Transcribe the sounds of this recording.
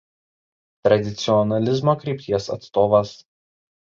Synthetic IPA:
t̪ɾɐd̪ʲɪt̪sʲɪɔnɐlʲɪzmoːkɾʲɛˑɪpʲt̪ʲiɛsɐ̰t̪st̪oːʋɐs

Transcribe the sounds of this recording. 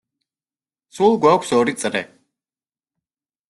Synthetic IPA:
sulˠɡʷwakʷʰsɔɾit̪sʼɾɛ

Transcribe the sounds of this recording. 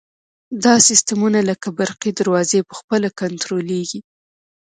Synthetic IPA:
d̪ɑsɪst̪əmunaləkabaɾqid̪aɾwɑzepəxpəlakant̪ɾoleɡi

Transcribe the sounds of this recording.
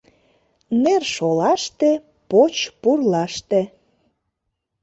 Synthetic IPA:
nerʃolɑʃt̪e | pot͡ɕpurlɑʃt̪e

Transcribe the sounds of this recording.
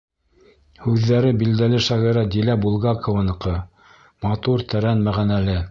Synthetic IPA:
hʉðːæɾɘbild̪ælɘʃɑʁiɾɑd̪ilæbulˠɡɑkŏvɤnɤ̆qɤ | mɑt̪uɾt̪æɾænmæʁænælɘ

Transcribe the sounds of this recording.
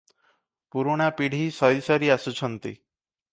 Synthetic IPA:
puɾoɽ̃apiɽ̤ʱisɔjsɔɾiasut͡ʃʰənt̪ḭ

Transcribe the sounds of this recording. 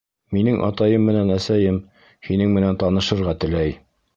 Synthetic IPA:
minɘŋʔɑ̰t̪ɑjɤmːɘ̆nænæsæjɘm | hinɘŋmɘ̆nænt̪ɑnɤ̆ʃɤ̆ɾʁɑt̪ɘ̆læj

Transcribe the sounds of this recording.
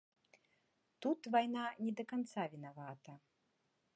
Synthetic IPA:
t̪ut̪vajnanʲɛd̪ɐkant̪savʲin̪avat̪ɐ

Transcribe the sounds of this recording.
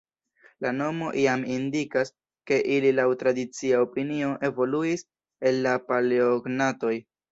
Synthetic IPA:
lano̞mo̞ʔiamindikas | ke̞ʔililawtɾadit͡siaopinio̞ʔe̞vo̞luis | e̞lːapalioɡnato̞j

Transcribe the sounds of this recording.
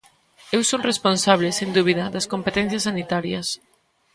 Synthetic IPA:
ewsoŋresponsaβ̞lesend̪uβ̞iðɐðɐskompet̪ɛ̃n̟θjɐsːanit̪aɾjɐs

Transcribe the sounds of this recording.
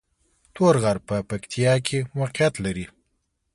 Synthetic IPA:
t̪oɾɣaɾpəpakt̪ʰijɑkʰewɑqjat̪laɾi

